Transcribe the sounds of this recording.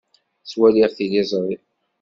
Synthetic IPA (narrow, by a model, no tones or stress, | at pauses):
swæliʁθilizˤɾˤi